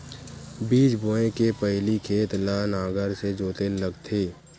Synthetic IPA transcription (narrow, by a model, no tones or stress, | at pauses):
biːd͡ʒbʱoːẽkepəɦlikʰeːt̪laːnaːɡəɾsed͡ʒoːt̪eləɡt̪ʰeː